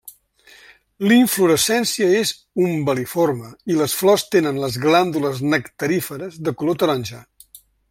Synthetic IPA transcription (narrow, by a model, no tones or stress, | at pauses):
liɱfluɾəsɛnsiəez | umbəliforməiləsflɔst̪enənləzɣland̪uləznəkt̪əɾifəɾəzðəkulot̪əɾanʲʒa